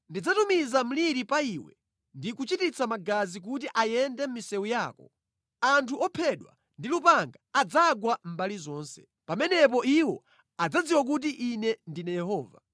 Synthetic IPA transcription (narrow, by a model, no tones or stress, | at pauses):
ndid͡zatumizam̩liɾipaiwɛ̰ | ndikut͡ʃitit͡sʰamaɡazik̬ut̬iʔajɛndɛm̩misɛujaːkɔ | antʰuʔɔpʰɛɗwa̰ | ndilupaŋɡaːd͡zaɡwam̩balizɔːnsɛ̥ | pamɛnɛp̬ɔiwɔ | ad͡zad͡ziwak̬ut̬iʔinɛndinɛjɛɦɔːva̰